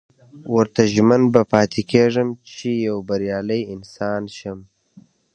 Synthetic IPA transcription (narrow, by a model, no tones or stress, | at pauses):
wəɾt̪aʒmanbapɑːt̪ʰekʰeʐəmt͡ʃijawbɐɾjɑːləjɪnsɑːnʃəm